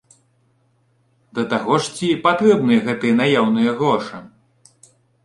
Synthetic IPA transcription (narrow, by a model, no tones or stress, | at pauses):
d̪ɐt̪aɣɔʂt͡sʲipat̪ɾɛbnɨjɐɣɛt̪ɨjɛnajawnɨjɐɣɾɔʂɨ